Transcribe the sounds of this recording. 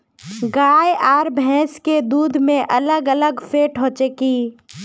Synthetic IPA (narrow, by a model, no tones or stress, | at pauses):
ɡaːjaːɾbʱɛ̃ːsked̪uːd̪ʱmẽʔɐləɡələɡfeːʈɦõːt͡ʃekiː